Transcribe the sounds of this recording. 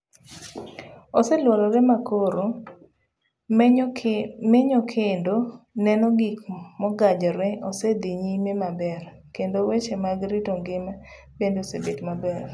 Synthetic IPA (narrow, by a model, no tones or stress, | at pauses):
osɛlwɔlɔɾɛmakoɾo | mɛɲɔkʰendonɛnɔɡikmɔɡad͡ʒɔɾɛɔsɛd̪iɲimemabɛr | kendowet͡ʃemaɡɾitoŋɡɪma | bendosebetmabɛr